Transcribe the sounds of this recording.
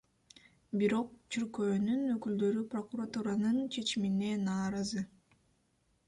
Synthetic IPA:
biɾo̞q̚t͡ʃʰyɾkøːnynøkyld̪ø̞ɾypro̞kuɾat̪uɾanɯnt͡ʃʰe̞t͡ʃimine̞nɑːɾɑzɯ

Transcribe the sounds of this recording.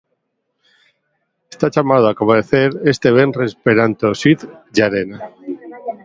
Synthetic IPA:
est̪at͡ʃamaðoakomeθeɾest̪eβenrespeɾant̪osit̪ʝaɾena

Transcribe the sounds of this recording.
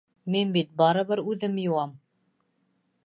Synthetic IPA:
minbit̪̚bɑɾɤ̆βɤɾʉðɘmjuwɑm

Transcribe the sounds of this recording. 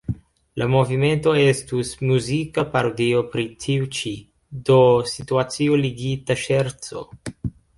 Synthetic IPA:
lʔamo̞vime̞nto̞e̞stusmuzikapaɾodio̞pɾitʰiut͡ʃi | do̞situat͡sioliɡitaʃe̞ɾt͡so̞̰

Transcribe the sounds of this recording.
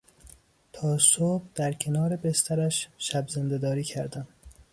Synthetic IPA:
t̪ʰɒːsobd̪̥æɾcʰe̞nɒːɾebest̪æɾæʃʃæbzend̪e̞d̪ɒːɾiːcʰæɾd̪æm

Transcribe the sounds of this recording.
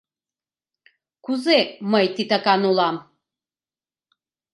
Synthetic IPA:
kʰuzɛmɐjt̪ʰit̪ʰakʼanulˠam

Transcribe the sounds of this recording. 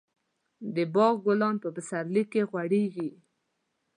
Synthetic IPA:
d̪əbɑɣɡʊlɑnpəpəsaɾlikːeɣwaɽeɡi

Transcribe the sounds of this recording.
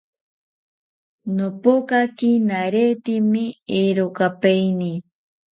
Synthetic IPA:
nopokakinaɾet̪imieɾokapejni

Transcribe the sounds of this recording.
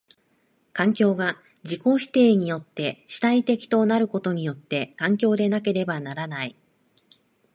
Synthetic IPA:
kãŋkʲo̞ːɡa | d͡ʑiko̞ːɕi̥t̪e̞ːɲ̟ijo̞t̪ːe̞ɕi̥t̪ait̪e̞kʲi̥t̪o̞naɾɯ̟ko̞t̪o̞ɲ̟ijo̞t̪ːe̞kãŋkʲo̞ːd̪e̞nake̞ɾe̞banaɾanai

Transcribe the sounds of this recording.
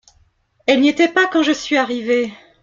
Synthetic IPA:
ɛlnet̪ɛpakɑ̃ʒəsɥiaʁive

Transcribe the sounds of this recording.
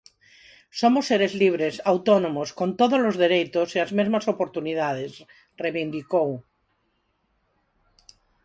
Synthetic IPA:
somosːeɾezliβ̞ɾesawt̪onõmoskont̪oðozlozðeɾejt̪osiazmezmasopoɾt̪uniðað̞es | reβind̪ikow

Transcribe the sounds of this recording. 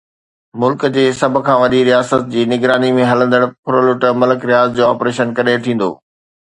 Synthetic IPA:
mʊlkd͡ʑeːsɐb̆ʱkʰãːʋɐɗiɾijaːsət̪̚d͡ʑiːnɪɡɾaːnimẽɦɐlə̃nd̪əɽkʰʊɾəlʊʈmɐləkɾɪjaːzd͡ʑoːaːpɾeːʃənkɐɗet̪ʰĩːn̆d̪o̰ː

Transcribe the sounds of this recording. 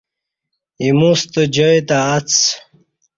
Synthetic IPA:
imust̪əd͡ʑəjt̪aːt͡s

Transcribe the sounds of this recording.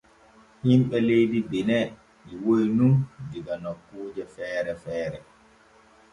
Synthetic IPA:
himɓɛlejdibinɛ | ɓiwojnundiɡanokːuːd͡ʒɛfɛːɾɛfɛːɾɛ

